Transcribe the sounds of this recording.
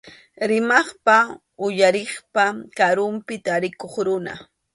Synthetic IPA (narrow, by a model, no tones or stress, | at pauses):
ɾɪmɑχpa | ʊjaɾeχpakaɾʊmpɪt̪aɾɪkoχɾʊna̰